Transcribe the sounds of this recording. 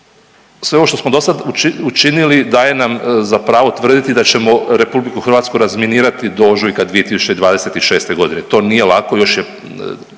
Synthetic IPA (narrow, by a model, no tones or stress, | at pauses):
sʋeo̞o̞ʃt̪osmod̪o̞sad̪uiut͡ʃinilid̪aje̞namzapɾaːʋo̞t̪ʋr̩d̪it̪id̪at͡ɕe̞mo̞ɾe̞publikuxr̩ʋaːt̪skuɾazminiːɾat̪id̪o̞ʒujkad̪ʋijet̪isut͡ɕed̪ʋaːd̪e̞set̪iʃe̞ːst̪e̞ɡo̞d̪inet̪o̞ːnije̞lakojo̞ʃje